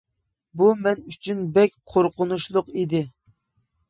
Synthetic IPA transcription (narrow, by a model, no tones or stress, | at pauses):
bumɛnyt͡ʃʰynbɛkʲqʰoɾqʊnuʃlˠʊqid̪ɪ